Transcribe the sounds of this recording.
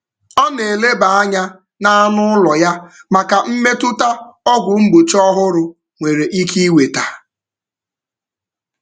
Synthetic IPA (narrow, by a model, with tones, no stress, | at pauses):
ɔ˦ne˨le˦ba˨a˦ɲa˦ | na˦a˦nʊ˦lɔ˨ja˦ma˨ka˨m̩˦me˦tʊ˦ta˦ɔ˦ɡʷʊ˨m̩˦ɡ͡bo˨t͡ʃɔ˦ɦʊ˦ɾʊ˦ | ŋʷe˨ɾe˨ʔi˦ki˦we˨ta˨